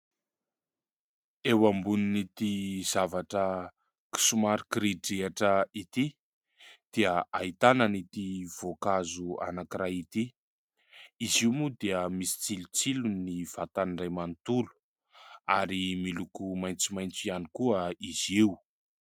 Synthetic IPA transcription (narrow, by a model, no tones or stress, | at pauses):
ewambuninit̪iz̥avaʈ͡ʂə | ki̥sumaɾkɾiɖ͡ʐeaʈ͡ʂəit̪i | d̪̥iəʔaɦit̪anənit̪iv̥okazua̰nakirait̪i | iziumud̪iəmisi̥t͡silut͡siluniv̥at̪aniɳɖ͡ʐajmant̪ulu̥ | a̰ɾimilukumajnt͡simajnt͡sianikuəiz̥iw